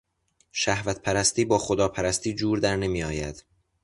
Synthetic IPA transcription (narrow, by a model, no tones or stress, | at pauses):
ʃæhvæt̪pʰæɾæst̪iːbɒːxod̪ɒːpʰæɾæst̪ʰiːd͡ʒuːɾd̪æɾne̞miːɒːjæd̪̥